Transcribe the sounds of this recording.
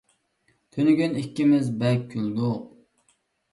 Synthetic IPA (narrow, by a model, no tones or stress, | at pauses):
t̪ʰønyɡʲynikʲːimɪzbɛlk̚ʲʰːyld̪u